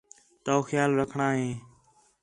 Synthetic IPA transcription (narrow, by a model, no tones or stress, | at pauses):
t̪oːxjaːlɾəkʰɳaːɦẽː